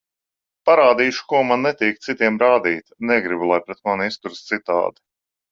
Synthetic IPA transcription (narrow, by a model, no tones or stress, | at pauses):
paɾaːd̪iːʃu̥kuɔmanːɛt̪iːk̚t̪sit̪iɛmɾaːd̪iːt̪nɛɡɾibulˠajpɾɛt̪̚manist̪uɾst̪sit̪a̰ːd̪i̥